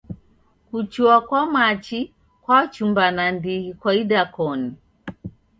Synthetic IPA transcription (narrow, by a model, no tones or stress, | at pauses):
kut͡ʃuakwamat͡ʃi | kwat͡ʃumbanandihikwaiɗakɔni